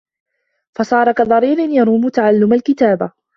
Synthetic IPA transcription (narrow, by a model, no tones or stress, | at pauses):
fɑsˤɑːɾˤɑkad̪ˤɑɾiːɾɪnjɑɾˤuːmʊt̪aʕalːʊmalkɪt̪aːba